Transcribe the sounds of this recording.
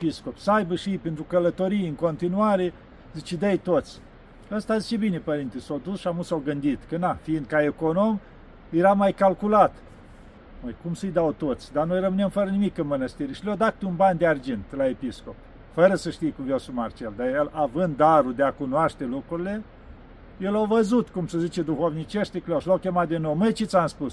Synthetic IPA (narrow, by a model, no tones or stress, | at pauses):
episko̞psəajbəʃipent̪ɾukələt̪o̞ɾijɨŋko̞nt̪inuaɾe | zit͡ʃed̪əjt̪ot̪sʲ | əst̪azit͡ʃebine̞pəɾint̪esawd̪usʃiamusawɡɨnd̪it̪kənafiːnd̪̚kae̞kono̞m | jeɾamajkalkulat̪ | məjkumsəjd̪awt̪ot̪sʲd̪anojrəmɨnemfəɾənimikɨnmənəst̪iɾeʃiljawd̪at̪̚t̪eunband̪eard͡ʒent̪laepisko̞p̚ | fəɾəsəʃt̪ijekumvjasumart͡ʃeld̪ajelavɨnd̪̚d̪aɾud̪eakunowaʃt̪e̞lukɾuɾile̞ | je̞lawvəzut̪kumsəzit͡ʃe̞d̪uxovnit͡ʃeʃt̪ekleawʃlawkʲemat̪̚d̪inowmɨjt͡ʃet̪sʲamspus